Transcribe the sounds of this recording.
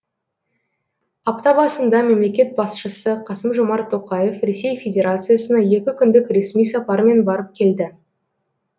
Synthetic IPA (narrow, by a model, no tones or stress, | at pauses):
ɑpt̪ɑbɑsənd̪ɑme̞mle̞kʲe̞t̪̚bɑsʃəsəqʰɑsəmʒomɑɾt̪ʰːo̞qɑje̞fɾe̞se̞jfʲe̞dʲe̞ɾat̪sɨjasənɑje̞kʲɪkʲʰʏnd̪ɪkɾe̞smijsɑpɑɾme̞nbɑɾəp̚kʲʰe̞ld̪ɪ